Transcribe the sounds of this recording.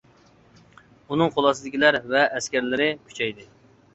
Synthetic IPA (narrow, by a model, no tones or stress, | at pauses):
unɨŋqʰolˠɑsɨd̪ɪkʲʰilæɾvɛʔːskʲæɾlɪɾɪkʲʰy̥t͡ʃʰɛjd̪ɪ